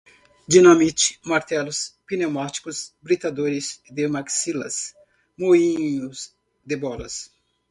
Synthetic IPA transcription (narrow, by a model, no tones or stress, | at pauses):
d͡ʒinɐmit͡ʃi̥maɾt̪ɛlʊspinemat͡ʃi̥kʊsbɾit̪ad̪oɾɪzd̪emaksilɐ̰s | moĩɲʊs | d̪ebɔlɐ̰s